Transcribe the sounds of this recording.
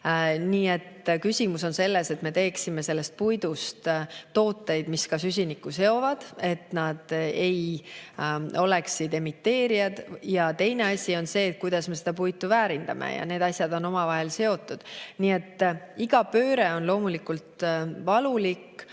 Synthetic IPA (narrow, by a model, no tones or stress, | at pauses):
niːe̞t̪ːkysʲimuso̞nse̞lːe̞se̞t̪me̞t̪e̞ːksime̞se̞lːe̞st̪̚pujd̪̥ust̪t̪ːo̞ːt̪ːˑe̞jd̪̥miskɑsys̬ʲinikːˑuse̞o̞vɑd̪̥e̞t̪nɑd̪̥e̞j | o̞le̞ksid̪e̞mit̪ːe̞ːɾiɑd̪̥jɑt̪e̞jne̞ɑsʲio̞nse̞ːt̪̚kujd̪̥ɑsme̞s̬e̞d̪ɑpujt̪ːˑuvæːɾind̪ɑmḛjɑ̰ne̞ːd̪ɑsʲjɑd̪o̞no̞mɑvɑɦe̞lse̞o̞t̪ːˑud̪̥niːe̞t̪ːiɡ̥ɑpø̞ːɾe̞o̞nlo̞ːmulikult̪vɑlulik